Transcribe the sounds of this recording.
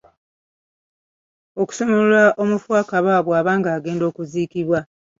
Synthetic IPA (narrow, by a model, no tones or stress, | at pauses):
oku̥so̞molulaʔo̞mufwakaβaːβwaːβaːŋɡaːɡe̞ːndo̞ːkuziːkiβwa